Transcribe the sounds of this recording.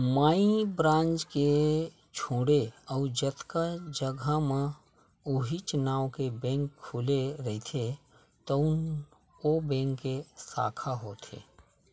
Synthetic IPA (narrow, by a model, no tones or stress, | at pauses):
maːĩbɾãːnd͡ʒt͡ʃke | t͡ʃʰõːɽeɔʊd͡ʒət̪kad͡ʒəɡʱamẽ | ʊɦit͡ʃnaːokebɛ̃ːŋkʰːuːleɾəɦit̪ʰe | t̪ɔʊn | obẽːŋkːesa̰ːkʰaɦoːt̪ʰḛː